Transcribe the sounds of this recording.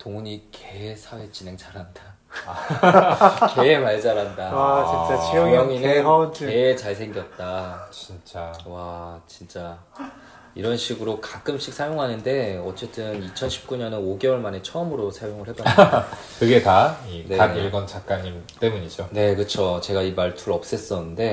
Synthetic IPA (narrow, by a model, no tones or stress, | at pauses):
toŋuɲikʰe̞sʰawet͡ɕ͈ine̞ŋt͡ɕaɾɦanda | kemaɭd͡ʑaɾandaait͡ɕ͈aiʌŋinɯke̞t͡ɕaɭsʰe̞ŋɡjʌt̚t͈at͡ɕint͡ɕ͈awat͡ɕint͡ɕ͈a | iɾʌnɕʰiɡɯɾokak͈ɯmɕ͈ik̚sʰajoŋɦanɯnde̞ʌt͡ɕ͈e̞t͈ʰɯnit͡ɕʰʌnɕʰip̚k͈uɲʌnɯnoɡe̞wʌɭmane̞t͡ɕʰʌɯmɯɾosʰajoŋɯɭhebatː | kɯɡe̞taineaɡiɭɡʌnt͡ɕak͈aɲimt͈emuɲid͡ʑone̞kɯt͡ɕʰot͡ɕe̞ɡaimaɭtʰuɾʌp̚s͈es͈ʌnɯnde̞